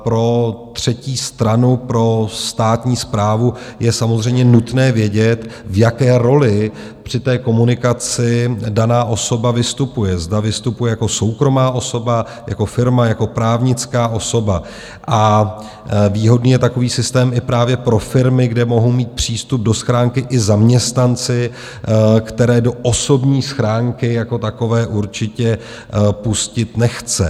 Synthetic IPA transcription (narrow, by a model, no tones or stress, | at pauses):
pɾo̞tt̪r̝̥ɛciːst̪ɾanupɾo̞st̪aːt̪ɲiːspɾaːvujɛsamozr̝ɛjmɲɛnut̪nɛːvjɛɟɛt̪vjakɛːɾo̞lɪ | pr̥ɪt̪ɛːko̞munɪkat͡sɪdanaːʔo̞so̞bavɪst̪upujɛzdavɪst̪upujɛjako̞so̞wkɾo̞maːʔo̞so̞ba | ja̰ko̞fɪɾmajako̞pɾaːvɲɪt͡skaːʔo̞so̞ba | ʔa | viːɦo̞dniːjɛt̪ako̞viːsɪst̪ɛːmɪpɾaːvjɛpɾo̞fɪɾmɪɡdɛmo̞ɦowmiːt̪̚pr̝̥iːst̪up̚do̞sxɾaːŋkɪʔɪzamɲɛst̪nant͡sɪ | kt̪ɛɾɛːdo̞ʔoso̞bɲiːsxɾaːŋkɪjako̞t̪ako̞vɛːʔuɾt͡ʃɪcɛ | puscɪt̪nɛxt͡sɛ̰